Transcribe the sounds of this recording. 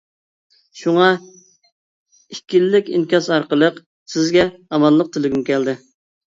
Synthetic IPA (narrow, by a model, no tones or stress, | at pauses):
ʃuŋɑ | ikʲilːɪkʲinkʲɑsɑɾqəlˠəq | sɪzɡʲɛɑmɑlˠːəq̚t̪ʰɪlɪɡʲymkʲɛld̪ɪ